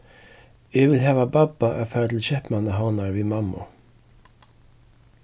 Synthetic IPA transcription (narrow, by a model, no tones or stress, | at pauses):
ɪʋɪlɦɑːʋababaʔæfæːɾat̪ʰɪlçɛhpmanaɦawnaɹʋiːmɑmʊ̰